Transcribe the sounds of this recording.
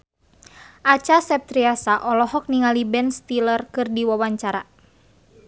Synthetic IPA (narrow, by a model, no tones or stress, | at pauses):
ʔat͡ʃasɛp̚t̪ɾiasaʔɔlɔhɔk̚niŋalibɛnst̪ilərkɨrdiwawaɲt͡ʃaɾa